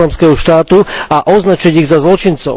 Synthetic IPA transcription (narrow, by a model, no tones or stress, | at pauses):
amskɛɦɔʃt̪aːt̪uaʔɔznat͡ʃiɟiɣzazlɔt͡ʃint͡sɔ̰ʊ